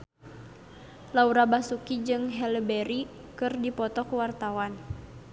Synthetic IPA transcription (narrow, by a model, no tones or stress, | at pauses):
lauɾabasukid͡ʒɨŋɦɛləbɛɾi | kɨrdipɔt̪ɔkuwart̪awan